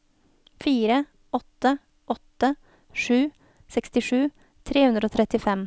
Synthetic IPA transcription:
fiːɾə | ɔt̪ə | ʔɔt̪ə | ʂʉː | sɛkst̪ɪʂʉː | t̪ʰɾeːhʉnd̪ɾoːt̪ʰɾɛt̪ɪfɛm

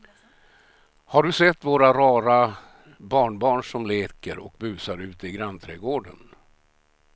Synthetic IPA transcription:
haɖɵsɛt̪ːvoːɾaɾɑːɾa | bɑːɳbɑːɳʂɔmleːkəɾɔ̰k̚bʉ̟ːsaɾʉ̟ːt̪əɪɡɾant̪ʰɾɛːɡoːɖən

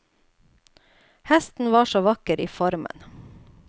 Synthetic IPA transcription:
hɛst̪n̩ʋɑːʃoːʋɑkəɾiːfɔɾmə̰n

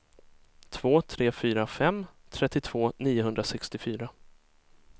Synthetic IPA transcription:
t̪ʰv̥oːt̪ʰɾeːfyːɾafɛmːt̪ʰɾɛt̪ːɪt̪ʰv̥oːniːʊɦɵnd̪ɾasɛkst̪ɪfyːɾa

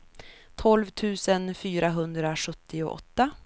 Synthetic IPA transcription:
t̪ʰɔlvt̪ʰʉ̟ːsənfyːɾaɦɵnd̪ɾaɧɵt̪ʰːɪʊ̰ʔɔ̰t̪ːa

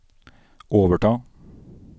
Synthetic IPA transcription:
ʔoːʋəʈʰɑː

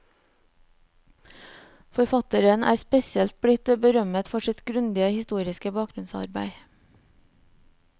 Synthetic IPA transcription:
fɔɾfɑt̪əɾənæ̰ːspɛsɪɛlt̪̚bɽɪt̪bəɾœmət̪fɔʃɪt̪ɡɾʉnd̪ɪəhɪst̪uːɾɪskəbɑːk̚ɾʉnsɑ̰ɾbæ̰ɪ

